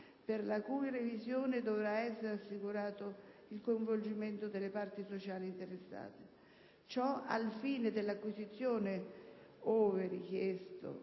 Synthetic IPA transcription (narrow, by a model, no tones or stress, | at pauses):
pɪrlakuːirevizjoːnɪd̪ovɾaɛsːeɾasːikuɾaːt̪ʊilkoiɱvold͡ʒiment̪ʊd̪elːepart̪isot͡ʃaːliːnt̪eɾesːa̰ːt̪e | t͡ʃɔa̰lfiːned̪elːakːwizit̪sːjoːnɪ | oːvɪrikjest̪o̰